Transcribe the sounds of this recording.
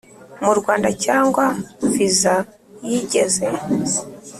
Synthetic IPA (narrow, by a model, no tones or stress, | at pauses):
muɾɡwaːndacaːŋɡwaviza | jiɟe̞ze